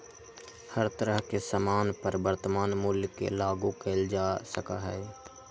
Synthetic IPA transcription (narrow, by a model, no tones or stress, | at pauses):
həɾt̪əɾəɦkesəmaːnpəɾbəɾt̪əmaːnmʊljkḛlaːɡũkeld͡ʒaːsəka̰ɦɛː